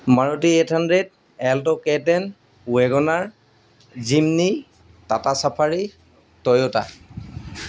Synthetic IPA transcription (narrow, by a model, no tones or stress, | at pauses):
maɹɔtietʰandɹed | ɛltɔkɛtɛn | weɡɔnaɹ | zimni | tatasapʰaɹi | tɔjɔta